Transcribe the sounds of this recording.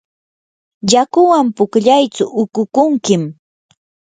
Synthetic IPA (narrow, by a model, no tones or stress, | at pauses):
jakʊwampʊkʎajt͡sʊʔʊkʊkʊŋkɪm